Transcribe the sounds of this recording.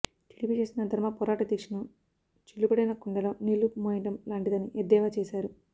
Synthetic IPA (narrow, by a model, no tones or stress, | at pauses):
ʈi̥ʈipiːt͡ʃe̞ːsinɐd̪ʱɐɾmɐpɔːɾaːʈɐd̪ekʂɐnu | t͡ʃilːubɐɽinɐkuɳɖɐlɐmnilːumoiɳʈɐmlaːɳʈid̪ɐnːiʔed̪ːɛːʋaːt͡ʃeːsaːɾu